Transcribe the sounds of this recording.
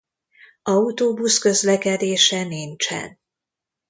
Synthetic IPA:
ɒut̪oːbuskø̞zlɛkɛd̪eːʃɛnint͡ʃɛ̰n

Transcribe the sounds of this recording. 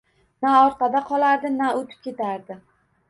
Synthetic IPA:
naɒɾqʰɑd̪aqʰɒlˠaɾd̪ɪnaot̪ʰɪ̥p̚kʲe̞t̪ʰaɾd̪ɪ

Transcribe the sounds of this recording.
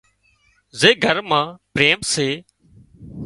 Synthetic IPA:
zeːɡʱəɾmãːpɾeːmseː

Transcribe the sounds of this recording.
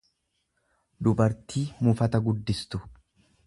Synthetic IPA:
d̪ʊbɐɾt̪ʰiːmʊfɐt̪ɐɡʊd̪ːɪst̪ʊ

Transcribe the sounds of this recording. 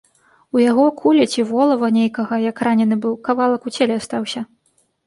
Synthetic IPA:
ujaɣɔkʰulʲɛt͡sʲivɔlˠɐvɐnʲejkɐɣɐjɐkranʲɛnɨbɨwkavalˠɐkut͡sʲelʲɛast̪awsʲɐ

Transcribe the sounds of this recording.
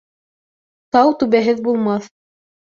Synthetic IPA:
t̪ɑwt̪ʉβæɦɘðbulˠmɑθ

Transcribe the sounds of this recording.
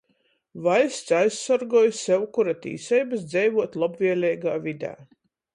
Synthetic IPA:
vajst̪sajssaɾɡuɔːjssɛwkuɾat̪ḭːsɛjbɐsd̪zʲɛjvuɔt̪lˠɔbvʲiɛlʲɛjɡaːvʲid̪a̰ː

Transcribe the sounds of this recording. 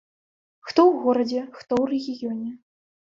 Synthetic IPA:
xt̪ɔwɣɔɾɐd͡zʲɛxt̪ɔwrʲeɣʲijɔnʲɛ

